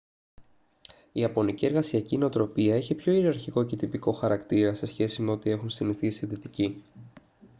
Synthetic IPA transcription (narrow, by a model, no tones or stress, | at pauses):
iɐpo̞nicie̞ɾɣɐsiɐcino̞t̪ɾo̞piɐeçipço̞iɾiɐɾçiko̞ce̞t̪ipiko̞xɐɾɐkt̪iɾɐse̞sçe̞sime̞o̞t̪ie̞xunst̪iniθisiðit̪ici